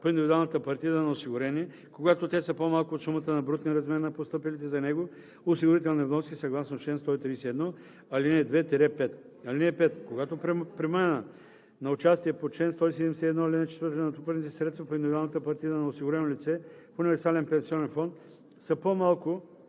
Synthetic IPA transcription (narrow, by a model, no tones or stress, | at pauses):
poind̪ivid̪ualˠnət̪əpɐɾt̪izənɐosiɡʊɾɛniɛ | koɡat̪ot̪ɛsəpomalˠkoːt̪sumɐt̪ənɐbɾut̪niɾɐzmɛɾnɐpost̪ɤpɛlit̪ɛzɐnɛɡo | osiɡʊɾit̪ɛlˠnɛvnɔskʲisɐɡlˠasnoʃɛnst̪ɔit̪ɾiːsɛɛd̪nɔ | ɐlinɛd̪vɛt̪ɛɾɛpɛt̪ | ɐlinɛpɛt̪koɡat̪oppɾimanə | nɐʊt͡ʃast̪iɛpot͡ʃɛnst̪ɔisɛd̪ɛmɛsɛɛd̪nɔɐlinɛt͡ʃɛt̪vəɾt̪nɐt̪upəɾnit̪ɛsɾɛt̪svɐpoind̪ivid̪alˠnət̪əpɐɾt̪izənɐosiɡʊɾɛnolʲit̪sɛpoʊnivɛɾsalɛnpɛ̃nsiɔnɛnfɔnt̪ | səpomalˠkʊ